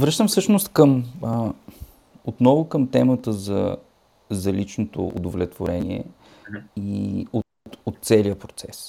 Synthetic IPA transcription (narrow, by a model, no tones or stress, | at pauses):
vɾɤʃt̪əmfsɤʃnost̪kəm | ot̪nɔvʊkəmt̪ɛmət̪əzɐ̰ | zɐlit͡ʃnot̪o̰ʊ̰d̪ovlɛt̪voɾɛnḭɛ̰ | io | ot̪̚ːsɛliəpɾot̪sɛs